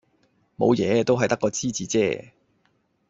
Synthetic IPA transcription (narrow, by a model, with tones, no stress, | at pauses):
mo̰˨˧wjɛː˨˧t̪o˥wɦɐ˨jt̪ɐ˥kːɔː˧t͡siː˥t͡siː˨˧t͡sɛ̰ː˥